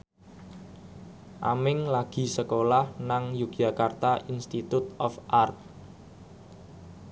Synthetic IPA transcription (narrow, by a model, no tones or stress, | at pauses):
ʔa̰mɪŋlaɡ̥i̤səkolahnaŋjuɡja̤kart̪aʔinst̪it̪ut̪ɔfʔart̪̚